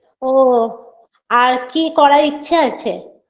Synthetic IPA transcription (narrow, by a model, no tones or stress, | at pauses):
o | aɾkikɔɾaitːɕʰeat͡ɕʰe